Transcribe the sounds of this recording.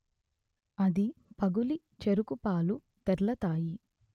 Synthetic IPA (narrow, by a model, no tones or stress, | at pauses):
ɐd̪ipɐɡuli | t͡ʃeɾukupaːlu | t̪ɛɾlɐt̪aːji